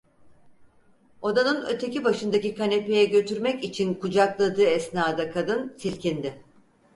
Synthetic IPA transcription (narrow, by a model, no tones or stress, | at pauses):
o̞d̪anɯnø̞̰t̪ʰe̞cibaʃɯnd̪acikane̞pe̞jɛɟø̞t̪ʰyɾmɛcit͡ʃʰinkʰud͡ʒaklˠad̪ɯːɛsnaːd̪akʰad̪ɯnsilʲcind̪ɪ